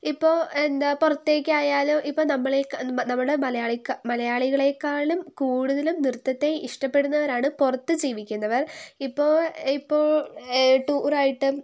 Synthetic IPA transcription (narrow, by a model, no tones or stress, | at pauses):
ipːo̞ːɭend̪apurɐt̪ːe̞ːkʲːɨaːjaːloːʔipːoːnɐmːɐɭeknɐmːuɽemɐlɐjaːɭikːɐmɐlɐjaːɭiɣɐɭe̞kːaːɭumkuːɽuðɐlumnirut̪ːɐt̪ːe̞iʂʈɐpːe̞ɽunːɐʋɐɾaːɳɨpurɐt̪ːɨd͡ʑiːʋikʲːunːɐʋɐripːo̞ːɭipːoːɭʈuːraːjiʈːɨ